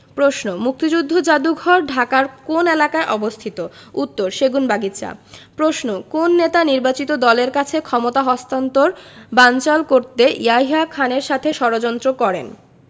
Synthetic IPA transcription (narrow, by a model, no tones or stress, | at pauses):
pɾoʃnomuk̚t̪id͡ʑud̪ʱːod͡ʑad̪uɡʱɔɾɖʱakaɾkonelakaeʔɔbost̪ʰit̪out̪ːoɾʃeɡunbaɡit̪ːɕʰa̰pɾosnokonːet̪aniɾbat͡ɕit̪od̪ɔleɾkat͡ɕʰekʰɔmot̪aɦɔst̪ant̪oɾbant͡ɕalkoɾt̪eʔiajɦakʰaneɾʃat̪ʰeʃɔɾod͡ʑɔnt̪ɾokɔɾḛn